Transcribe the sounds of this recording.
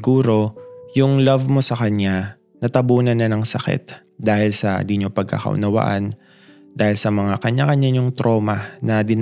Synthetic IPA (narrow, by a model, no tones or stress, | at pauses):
ɡuːɾo̞jʊŋlɐvmo̞sɐkɐɲːa | nɐt̪ɐbuːnɐnːɐnɐŋsɐkɛ̰t̪̚ | d̪aːhɪlsɐ̰d̪iɲopɐɡ̚kɐ̰kɐ̰ʔʊ̰nɐwa̰ʔan | d̪aːhɪlsɐmɐŋakɐɲakɐɲaɲʊŋt̪ɾʔo̞ːmɐnɐd̪ɪn